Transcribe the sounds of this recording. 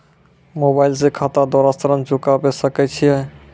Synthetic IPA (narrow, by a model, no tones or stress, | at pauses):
mobaːɪlsekʰat̪ad̪ɔɾast̪əɾənt͡ʃʊkabesəkɛt͡ʃʰiɛ